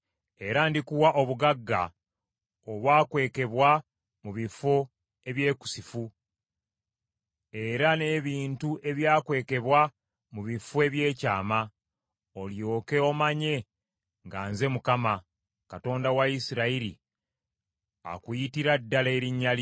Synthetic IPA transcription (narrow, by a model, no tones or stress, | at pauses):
e̞ɾandikuwaʔo̞βuɡaɡːa̰ | oβwaːkwe̞ːke̞βwa | muβifo̞ | e̞βje̞ːku̥sifu | e̞ɾane̞ːβiːntuʔe̞βjaːkwe̞ːke̞βwa | muβifoe̞βje̞ːcaːma | oljo̞ːke̞o̞maɲe̞ | ŋɡaːnze̞mukama | kato̞ːndawaisiɾaiɾḭ | a̰kujitiɾadːaleːɾiɲːal